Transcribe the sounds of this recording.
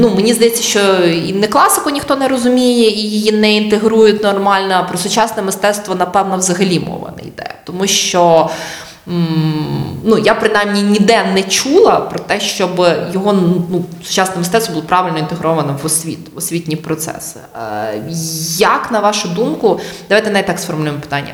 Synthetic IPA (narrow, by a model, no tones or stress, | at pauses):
numenʲizd̪ɐjɛtt͡sʲːɐʃt͡ʃɔḭnɛklˠɑsɪkʊnʲixt̪ɔnɛɾɔzʊmʲijɛijijinɛint̪eɦɾujʊtʲnɔrmɑlʲnɐpɾɔsʊt͡ʃɑsnɛmɪst̪ɛt̪st̪ʋɔnɐpɛwnɔʋzɐɦɐlʲimɔ̰ʋɐ̰nɐ̰jd̪ɛ̰t̪ɔmuʃt͡ʃɔ | nujapɾɪnajmnʲinʲid̪ɛnɛt͡ʃulˠɐpɾɔt̪ɛʃt͡ʃɔbjɔɦɔnusʊ̥t͡ʃɑsnɛmɪsɛt̪st̪ʋɔbulˠɔpɾɑʋɪlʲnɔint̪eɦɾɔʋɐnɐʋɔsʲʋʲḭt̪ʋɔsʲʋʲitʲnʲipɾɔt̪sɛ̰sɪ̥ | jɐknɐʋɑʃʊd̪umkʊd̪ɐʋɑjt̪ɛnɛjt̪ɑksfɔrmʊlʲujmɔpɪ̥t̪ɑnʲːɐ̰